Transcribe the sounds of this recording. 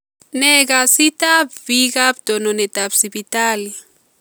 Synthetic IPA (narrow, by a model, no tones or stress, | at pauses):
nɛɡasit̪abvikabd̪ɔnɔnɛt̪absibitali